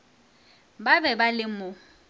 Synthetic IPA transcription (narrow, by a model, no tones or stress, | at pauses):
babɛbalɪmʊ